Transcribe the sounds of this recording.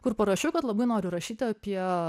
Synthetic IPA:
kʊrpɐɾɐʃʲʊkɐt̪lˠɐbɐɪnoːɾʲʊɾɐʃʲiːt̪ʲɪɐpʲiɛ

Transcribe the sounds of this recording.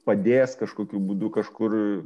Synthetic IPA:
pɐd̪ʲeːskɐʃkoːkʲubuːd̪ʊkɐʃkʊr

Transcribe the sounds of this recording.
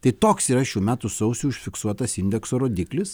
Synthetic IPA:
t̪ɐɪt̪oːksiːɾɐʃʲuːmʲæːt̪ʊsɐʊsʲuːʊʃʲfʲɪksuɔt̪ɐsɪnʲd̪ʲɛksoːɾoːd̪ʲɪklʲɪs

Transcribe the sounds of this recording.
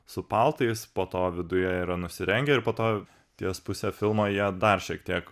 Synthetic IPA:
sʊpɐlˠt̪ɐɪspoːt̪oːʋʲɪd̪ʊjɛiɾɐnʊsʲɪɾʲɛŋʲɡʲɛɪɾpoːt̪oː | t̪ʲiɛspʊsʲefʲɪlˠmoːjiɛd̪ɐrʃʲiɛkt̪ʲiɛk

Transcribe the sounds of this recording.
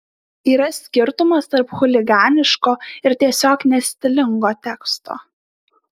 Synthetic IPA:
iːɾɐsʲkʲɪɾt̪ʊmɐst̪ɐɾpxʊlʲɪɡɑːnʲɪʃkoːɪɾt̪ʲiɛsʲoːknʲɛsʲt̪ʲɪlʲɪŋɡoːt̪ʲɛkst̪o̰ː

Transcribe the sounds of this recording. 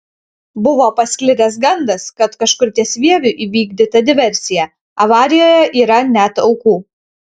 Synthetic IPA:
bʊʋoːpɐsʲkʲlʲɪd̪ɐsɡɐnd̪ɐskɐt̪kɐʃkʊɾʲt̪ʲiɛsʲʋʲiɛʋʲʊʔiːʋʲiːɡd̪ʲɪt̪ɐd̪ʲɪʋʲɛɾʲsʲɪjɛ | ɐʋɑːɾʲɪjoːjɛʔiːɾɐnʲæt̪ɒʊkuː

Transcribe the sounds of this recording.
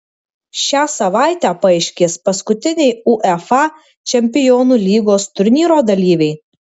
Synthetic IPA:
ʃʲæːsɐʋɑˑɪt̪ʲæːpɐɐɪʃʲkʲeːspɐskʊt̪ʲɪnʲɛɪuʔɛfɑ | t͡ʃʲɛmʲpʲɪjɔːnulʲiːɡoːst̪ʊɾʲnʲiːɾoːd̪ɐlʲiːʋʲɛɪ

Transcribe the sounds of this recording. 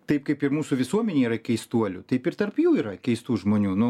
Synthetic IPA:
t̪ɐɪpkɐɪpɪrmuːsʊʋʲɪsuɔmʲɛnʲeːiːɾɐkʲɛɪst̪uɔlʲʊt̪ɐɪpɪrt̪ɐrpjuːiːɾɐkʲɛɪst̪uːʒmoːnʲuːnʊ

